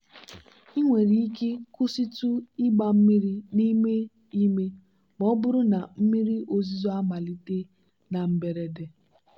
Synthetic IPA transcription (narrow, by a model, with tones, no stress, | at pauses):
i˦ŋʷe˨ɾi˨i˦ke˦kʊ˦si˦tu˦i˦ɡ͡ba˨m̩˦mi˦ɾi˦ni˦me˦ | i˦me˦ | mɔ˦bʊ˦ɾʊ˦na˨m̩˦mi˦ɾi˦ʔo˨zi˦zɔ˦a˦ma˨li˦te˦ | na˨m̩˦be˨ɾe˨de˨